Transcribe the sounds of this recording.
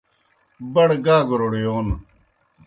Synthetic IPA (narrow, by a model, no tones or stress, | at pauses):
bɐɽɡaːɡɾoɽejoːn